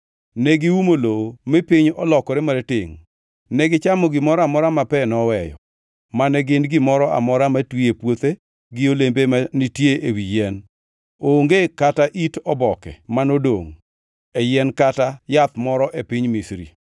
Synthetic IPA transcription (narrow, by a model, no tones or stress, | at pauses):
nɛɡɪwumolowomipɪɲɔlɔkɔɾemaɾetɪŋ | nɛɡɪt͡ʃamɔɡɪmɔɾɔamɔɾamapɛnɔwɛjɔ̰ | manɛɡɪnɡɪmɔɾɔʔa̰mɔɾamatwiepwot̪e | ɡɪolembemanitjeʔewijɛn | oŋɡekataʔitɔbɔkɛ̰manodo̰ŋ | ejɛnkatajat̪mɔɾɔʔepiɲmisɾḭ